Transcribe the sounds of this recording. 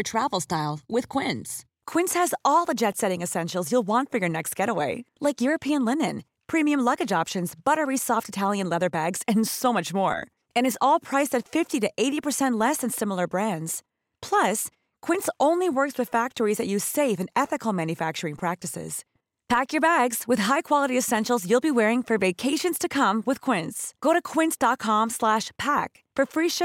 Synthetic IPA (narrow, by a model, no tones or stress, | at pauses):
ətʰɹ̥ævl̩ˠstaɪlˠwɪð̥kʰw̥ɪ̃ns | kʰw̥ɪ̃nshɨzɔlˠðəd͡ʒɛtsɛɾɪ̃ŋɨsɛ̃nʃl̩ˠzjulˠwɑ̃ntfə˞jə˞nɛkst̚ɡ̥ɛɾəweɪlaɪkjʊɹɨpʰiɨ̃nlɪnɨ̰̃n | pʰɹ̥ĩmiɨ̃mlʌɡɨd͡ʒɑpʃɨ̃nzbʌɾə˞isɔftɨtʰælˠjɨ̃nlɛðə˞bæɡz̥ɨ̃nsoʊmʌt͡ʃmɔ̰ɹ | ɨ̃ñɨzɔlˠpʰɹ̥aɪsɨtfɪftiɾɨʔeɪɾipʰə˞sɛ̃nʔˡlɛsɨ̃nsɪ̃ml̩ˠə˞bɹæ̃ndz̥ | pʰl̥ʌs | kʰw̥ɪ̃nsõʊ̃nliwɜ˞kswɨð̥fæk̚tə˞izðɨt͡ʃʉz̥seɪfɨ̃nɛθɨkl̩ˠmæ̃njɨfæk̚t͡ʃə˞ɪ̃ŋpʰɹ̥æk̚tɨsɪ̰z̥ | pʰækjə˞bæɡz̥wɨð̥ɦaɪkʰw̥ɑlˠəɾiɨsɛ̃nʃl̩ˠzjʉlˠbiwɛɹɪ̃ŋfə˞veɪkʰeɪʃɨ̃nz̥tʰɨkʰʌ̃mwɨð̥kʰw̥ɪ̃ntsɡ̥oʊɾɨkʰw̥ɪ̃ntsd̥ɑt̚kʰɑ̃mslæʃpʰæk | fə˞fɹiʃɪ